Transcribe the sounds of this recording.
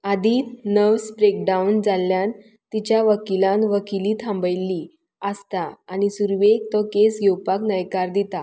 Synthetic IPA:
ad̪iːnəʋspɾek̚ɖaund͡zalːjãn | t̪it͡ɕjaʋəkilãnʋəkiliːt̪ʰãmbəjlːiː | əst̪aːñisuɾʋek̚t̪ɔkesɡʱewpaknəjkaɾd̪it̪a

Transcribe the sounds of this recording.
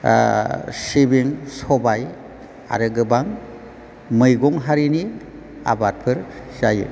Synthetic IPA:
sibiŋsɔbaj | a̰ɾɯɡɯbaŋ | mɯjɡɔŋɦaɾini | a̰bat̚pʰɯɾz̥ajɯ̰

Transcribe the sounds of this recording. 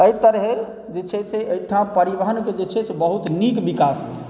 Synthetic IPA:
əit̪əɾɦe | d͡ʒet͡ʃʰɛseəjʈʰãpəɾiʋəɦənked͡ʒet͡ʃʰɛsebəɦut̪nikbikasmḛ

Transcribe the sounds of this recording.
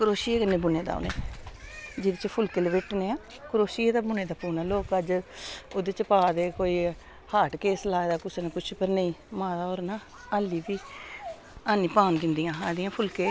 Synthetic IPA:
kʊɾoːʃiːekənːeːbʊneːd̪a̰ːo̰nḛː | d͡ʒeːd̪et͡ʃpʰʊlkeːlʋɪʈneːãː | kʊɾoːʃiːed̪aːbʊneːd̪aːpuːnaːloːkəd͡ʒoːd̪eːt͡ʃəpaːd̪eːkoːiː | haːʈkeːslaːd̪aːkʊsnekʊt͡ʃʰpəɾnəĩːmãːd̪aːoːɾnãː | aːliːʋiː | aːnĩːpaːnk̬ɪnd̪ijãːaːd̪ɪjãːpʰʊlkeː

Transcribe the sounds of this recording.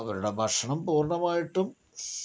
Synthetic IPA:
ɐʋɐɾuɽebʱɐʂɐɳɐmpuːrɳɐmaːjiʈːum

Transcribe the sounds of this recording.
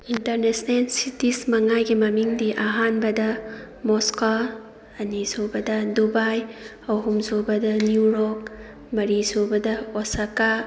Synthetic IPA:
intɐɾnesnelsitismɐŋajɡimɐmiŋdiʔɐɦanbɐdɐ | mosko | ɐnizobɐdɐdubaj | ɐwɦumzobɐdɐnjuɾɔk̚ | mɐɾizobɐdɐosaka

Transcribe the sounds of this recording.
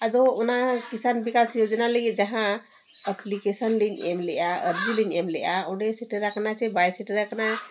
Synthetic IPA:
əd̪oonakisanbikasjod͡ʒnaləɡid͡ʒəɦã | əplikesənlinemlejaəɾd͡ʒilinemlejaoɽesiʈəɾəkʰnat͡ʃebajsiʈəɾəkʰna

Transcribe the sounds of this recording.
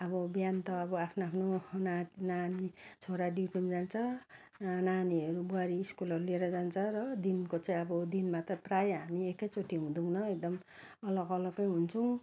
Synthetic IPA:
ʌbʌbjant̪ʌʌbʌapʰnoapʰnonananit͡sʰoɾaɖiʈimd͡zant͡sʰʌ | naniʌɾubuaɾiːskulʌɾulieɾʌd͡zant͡sʰʌɾʌd̪inkot͡saĩʌbʌd̪inmat̪ʌprajɦamiekʌjt͡soʈʰiɦũd̪ũnʌek̚d̪ʌm | ʌlʌɡʌlʌɡʌjɦunt͡sʰũ

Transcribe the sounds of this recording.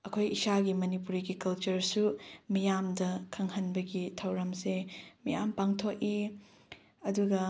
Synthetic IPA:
ɐkʰojisaɡimɐnipuɾiɡikɐlt͡ʃɐɾsumijamdɐkʰɐŋhɐnbɐɡitʰɐwɾɐmsemijampaŋtʰok̚i | ɐduɡɐ

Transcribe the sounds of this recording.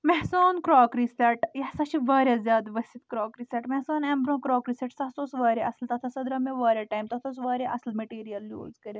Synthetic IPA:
mɛɦsaːnkɾɔːkɾiseʈjɐhsaʃiʋaːɾʲjazʲjaːd̪ʋɐsit̪kɾɔːkɾiseʈmɛɦsaːnembɾõːkɾɔːkɾiseʈsɐɦsoːsʋaːɾeʔɐslt̪ɐt̪ʰasɐd̪ɾameʋaːɾjaʈaːjmt̪ɐt̪ʰoːs̬ʋaːɾeʔɐslmeʈiːɾijɐlːjo̰ːzkɐɾe

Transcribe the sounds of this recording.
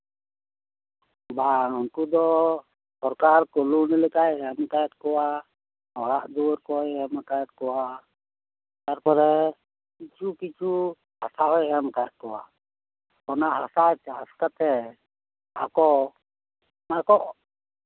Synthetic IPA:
baɔnkud̪ɔ | sɔɾkaɾkɔlunilɛkajɛmkajɛt̪̚kɔwa | ɔɽaʔd̪uɔɾkɔjɛmakajɛt̪̚kɔwa | t̪aɾpɔɾɛ | kit͡ʃukit͡ʃu | hasaɦɔjɛmkajɛt̪̚kɔwa̰ | ɔnaʔhasat͡ʃaaskat̪ɛ | a̰kɔ | makɔʔ

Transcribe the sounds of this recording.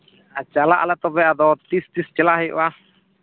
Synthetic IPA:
at͡ʃalaʔa̰lat̪ɔbɛad̪ɔt̪ist̪ist͡ʃɛlaɦiʔwa

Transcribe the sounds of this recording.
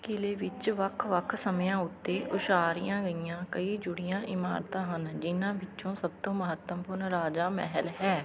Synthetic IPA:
kɪleːʋɪt͡ʃʋəkʰʋəkʰsəmjãːʊt̪ːeːʔʊʃaːɾijãːɡəijãːkəiːd͡ʒʊɽɪjãːʔɪma̰ːɾt̪ãːɦənd͡ʒɪnãːʋɪt͡ʃõːsəb̚t̪õːməɦət̪ːəmpʊɾnɾaːd͡ʒaːmɛ̰ɦəlɦɛː

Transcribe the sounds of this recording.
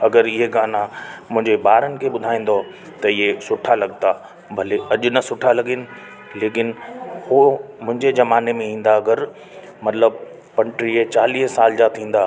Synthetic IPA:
ɐɡəɾɪɦeɡaːnamʊ̃ɦɪ̃ɲd͡ʑeɓaːɾənɪ̆kʰeːɓʊd̪ʱaːĩːn̆d̪o | t̪ɐɪɦesʊʈʰalɐɠ̚t̪a | bʱɐleʔɐʄʊ̆nɐsʊʈʰalɐɡɪnɪ̆ | leːkɪnhomʊ̃ɦɪ̃ɲd͡ʑed͡ʑɐmaːnemẽĩːn̆d̪aɐɡəɾ | mɐt̪ləb | pɐ̃ɳʈɾiet͡ɕaːliːɦsaːld͡ʑat̪ʰĩːn̆d̪aː

